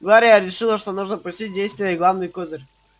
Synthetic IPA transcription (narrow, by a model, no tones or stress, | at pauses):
ɡlˠaɾʲɪjəɾʲɪʂɨlˠəʂt̪onuʐnəpɾusʲtʲit̚ʲdʲejst̪vʲɪjəiɡlˠavnɨjkozərʲ